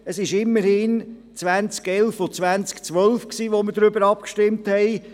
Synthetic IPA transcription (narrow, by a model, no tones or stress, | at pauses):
əsɪʃɪmːəɾhɪn | t͡svʋænt͡skɛlfot͡sʋænt͡skt͡sʋœlfksiːʋoməɾdɾʏbəɾɑp̚kʃtɪmthɛɪ